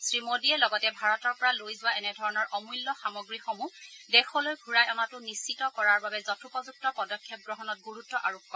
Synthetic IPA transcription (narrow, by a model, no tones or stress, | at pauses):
sɹimodiɛlɔɡɔtɛbʱaɹɔtɔɹpɔɹalojzʊwaɛnɛdʱɔɹɔnɔɹʔɔmujlːɔxamɔɡɹixɔmudɛxɔlojɡʱuɹajɔmatʊnist͡ʃitɔkɔɹaɹbabɛzɔtʰupɔzuk̚tɔpɔdɔkʰːjɔp̚ɡɹɔɦɔnɔt̚ɡuɹutːɔʔaɹokːɔɹ